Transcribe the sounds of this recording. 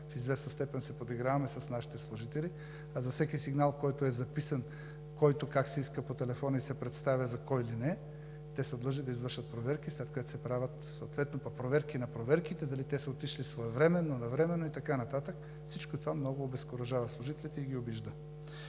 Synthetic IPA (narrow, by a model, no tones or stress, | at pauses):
fizvɛsnɐst̪ɛpɛnsɛpod̪iɡɾavɐmɛsɐsnaʃi̥t̪ɛslˠʊʒit̪ɛli | azɐsɛkʲisiɡnalˠkɔjt̪oɛzɐpisɐn | kɔjt̪okaksɛiskəpot̪ɛlɛfɔnɐisɛpɾɛt̪st̪avʲɐzɐkɔjlinɛ | t̪ɛsɛd̪lˠəʒid̪ɐizvəɾʃət̪̚pɾovɛɾkislɛt̪̚kojɛt̪sɛpɾavʲət̪soot̪vɛt̪nopɐpɾovɛɾkinɐpɾovɛɾkit̪ɛd̪ɐlit̪ɛsɐot̪iʃlisvoɛvɾɛmɛnːonɐvɾɛmɛnoit̪ɐkanɐt̪at̪ək | fsit͡ʃkot̪ovamnɔɡoːbɛskoɾɐʒavɐslˠʊʒit̪ɛlʲit̪ɛiɡʲiobiʒd̪ə